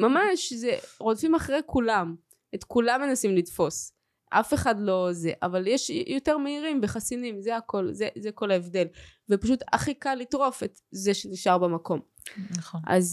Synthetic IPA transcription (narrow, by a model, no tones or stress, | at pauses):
mamaʃzeʁodfimaχʁejkʰulam | etkulamːe̞nasimlidfo̞s | ʔafeχadlo̞zeʔa̰valjeʃjoteʁmeiʁimbeχasinimzeako̞lzezeko̞laevd̪e̞lvepaʃut̪a̰χikalːitʁo̞fet | zeʃeniʃaʁbemako̞m | nχʔa̰z